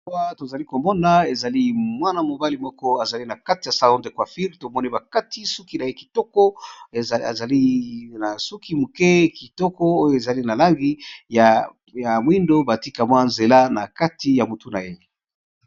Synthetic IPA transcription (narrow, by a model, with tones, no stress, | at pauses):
wa˦to˨za˨li˦ko˨mɔ˦na˦e˨za˨li˦mwa˦na˨mo˨ba˦li˨mɔ˦kɔ˦a˨za˨li˦na˨ka˦ti˨ja˨sa˦o˦nde˨kwa˨fi˦ʁto˨mɔ˦ni˦ba˨ka˦ti˦su˦ki˦na˨je˦ki̥˨tɔ˦kɔ̰˦˨ | za˨li˦na˨su˦ki˦mu˨kɛ˦ki˨tɔ˦kɔ˦o˦jo˨e˨za˨li˦na˨la˦ŋɡi˦ja˨ | ja˨mwi˦ndo˦ba˨ti˦ka˨mwa˦˨nze˨la˦na˨ka˦tʰi˦ja˨mu˨tu˦na˨je˦